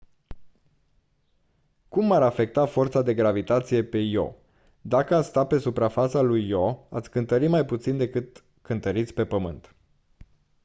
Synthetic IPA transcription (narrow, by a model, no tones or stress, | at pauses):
kumːaɾafe̞k̚t̪afo̞rt̪sad̪e̞ɡɾavit̪at̪sije̞pe̞jo̞̰ | d̪akəat̪sʲst̪ape̞supɾafat̪salujːoa̰t̪sʲkɨnt̪əɾimajput̪sind̪e̞kɨt̪ | kɨnt̪əɾit̪sʲpe̞pəmɨnt̪